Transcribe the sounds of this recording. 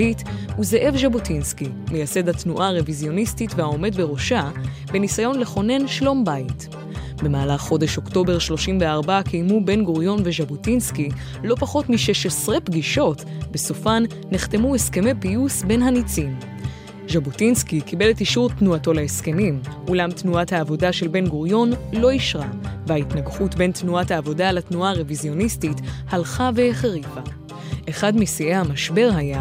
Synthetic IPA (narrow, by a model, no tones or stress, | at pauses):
lituzeʔe̞vʒabutinskimejase̞dhatnuʔaʁevizjo̞nistitvehao̞me̞dbe̞ʁo̞ʃa | be̞nisajo̞nle̞χo̞ne̞nʃlo̞mbait | be̞maːlaχːo̞de̞ʃo̞kto̞be̞ʁʃlo̞ʃimve̞aʁbakʰejmube̞nɡoʁjo̞nve̞ʒabutinski | lo̞paχo̞tmiʃeʃesʁepɡiʃo̞tbe̞sofanːeχte̞mueske̞me̞pijusbe̞nɦanit͡sim | ʒabutinskikibe̞letiʃuʁtnuato̞leeske̞mimulamtnuathaːvo̞daʃe̞lbe̞nɡuʁjo̞nlo̞iʃʁavehaitnaɡχutbe̞ntnuathaːvo̞dalatnuaʁevizjo̞nistithalχave̞χeʁifa | ʔe̞χadmisiehamaʃbe̞ʁɦaja